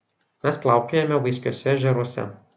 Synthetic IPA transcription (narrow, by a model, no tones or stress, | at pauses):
mʲæsplˠɑˑʊkʲejɛmʲɛʋɐɪsʲkʲoɔsʲɛʒʲɛɾoɔsʲɛ̰